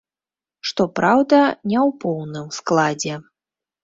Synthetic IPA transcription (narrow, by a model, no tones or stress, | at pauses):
ʂt̪ɔpɾawd̪ɐnʲɛwpɔwnɨmsklˠad͡zʲɛ